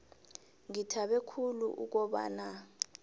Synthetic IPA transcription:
ŋitʰaɓɛkʰulṵʔṵk̬ɔɓa̰ːna

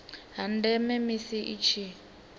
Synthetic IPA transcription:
ɦan̩dɛmɛmisiʔit͡ʃʰi

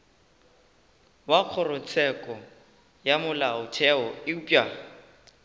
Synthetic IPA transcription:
waq͡χʰɔrʊt͡sʰɛkʼɔ | jamʊlaʊtʰɛɔɪupʼa

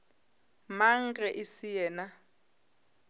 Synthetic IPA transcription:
maŋ̩kʼɛʔisijɛːna

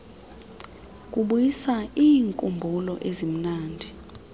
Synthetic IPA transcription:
k̬ʼuɓujisaiːŋkʼumbʱulɔʔezim̩naːndʱi

